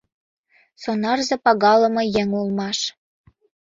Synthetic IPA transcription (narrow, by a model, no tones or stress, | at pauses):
sonɑrzɤ̆pɑɣɑlɤ̆mojeŋulmɑʃ